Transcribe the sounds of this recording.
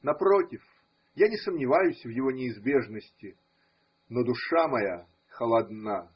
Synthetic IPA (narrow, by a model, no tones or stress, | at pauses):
nɐpɾo̞tʲɪf | janʲɪsəmnʲɪvajʊsʲvjɪvo̞nʲɪːzbʲe̞ʐnəsʲtʲɪ | nod̪ʊʂamɐja | xəlˠɐd̪na